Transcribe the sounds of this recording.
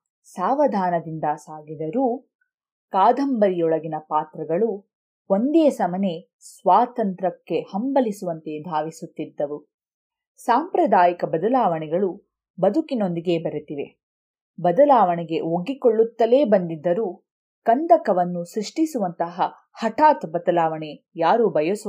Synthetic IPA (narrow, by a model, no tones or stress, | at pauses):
saːʋɐd̪ʱaːnɐd̪ind̪ɐsaːɡid̪ɐɾuː | kaːd̪ʱɐmbɐɾijɔɭɐɡinɐpaːt̪ɾɐɡɐɭu | ond̪ɛɐsɐmɐne̞ | sʋaːt̪ɐnt̪ɾɐkːe̞hɐmbɐlisuʋɐnt̪e̞d̪ʱaːʋisut̪ːid̪ːɐʋu | saːmpɾɐd̪aːjikɐbɐd̪ɐlaːʋɐɳɛɡɐɭu | bɐd̪ʱukino̞nd̪iɡe̞ːbɐɾut̪iʋe̞̰ | bɐd̪ɐlaːʋɐɳɛɡe̞oɡikoɭːut̪ːɐle̞ːbɐnd̪id̪ːɐɾuː | kɐnd̪ɐkɐʋɐnːusɾiʂʈisuʋɐnt̪ɐɦɐ | hɐʈʰaːt̪bɐd̪ɐlaːʋɐɳe | jaːɾubʱɐjɐs